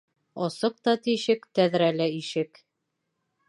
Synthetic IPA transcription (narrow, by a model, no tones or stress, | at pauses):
ɒsɤq̚t̪ɒt̪iʃɘkt̪æðɾælæiʃɘk